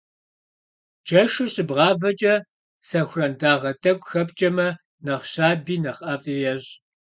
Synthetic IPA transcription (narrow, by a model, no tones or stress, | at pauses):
d͡ʒʼɐʂɨɕʼɪbʁɑːvɐt͡ʃʼɐ | sɐxʷrɐndaːʁɐtʰʼɐɡʷʼxɐpt͡ʃʼɐmɐ | nɐχɕaːbiːnɐχʼɐfʼijɛɕ